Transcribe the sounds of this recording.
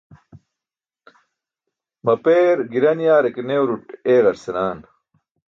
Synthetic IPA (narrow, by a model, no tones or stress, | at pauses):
mɐpeːɾɡiɾɐnjaːɾekneːwɾuʈeːɣɐɾsenaːn